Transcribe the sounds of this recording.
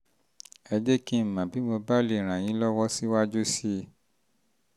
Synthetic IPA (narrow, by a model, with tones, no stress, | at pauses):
ɛ˧d͡ʒe˦ki˦˨mã˨bi˨˦mo˧ba˦le˦˨ɾ̃ã˨j̃ĩ˨˦lɔ˦wɔ˦si˦wa˦d͡ʒu˦si˦